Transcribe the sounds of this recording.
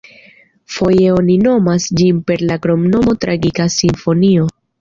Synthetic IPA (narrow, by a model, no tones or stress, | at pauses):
fo̞je̞o̞nino̞masd͡ʒinpe̞ɾlaɡɾo̞mno̞mo̞tɾaɡikasiɱfo̞nio̞